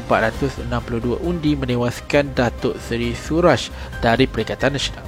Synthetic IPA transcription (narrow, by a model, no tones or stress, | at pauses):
mpat̪̚ɾat̪ʊsənãmpuluhduaʔundimə̃nẽwaskandat̪ʊʔsəɾisuɾaʃd̥aɾipəɾikat̪anːasonal